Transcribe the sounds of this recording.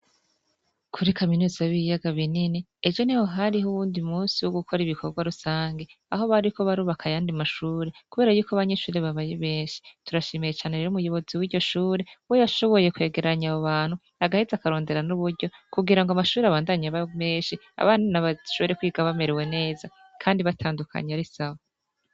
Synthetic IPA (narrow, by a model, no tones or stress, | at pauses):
kʰuɾikaminuːzaβijaɡaβininied͡ʒo̞niho̞ɦaɾiɦuβuːndimuːnsiwoɡukʰo̞ɾiβikʰo̞ɡwaɾusaːŋɡe̞aɦo̞βaɾikʰo̞βaɾuːβakʰajaːndimaʃuːɾe̞kuβe̞ːɾajuːkoaβaɲe̞ʃuːɾe̞βaβajeβe̞ːɲʃi̥tuɾaʃeːmejet͡ʃaːneɾeɾumujo̞βo̞ziwiːɟo̞ʃuːɾe̞wojaʃo̞βo̞je̞kwe̞ːɡe̞ɾaɲaβoβaːn̥hu | aɡahezakaɾo̞ːnde̞ɾanuβuɾɟo̞kuɡiɾaŋɡamaʃuːɾeaβaːndaɲaβame̞ːʃi | a̰βanunaβaʃuːɾe̞kwiːɡaβame̞ɾewe̞ne̞ːza | kʰaːndiβatʰaːndukʰa̰ɲeaɾisaβo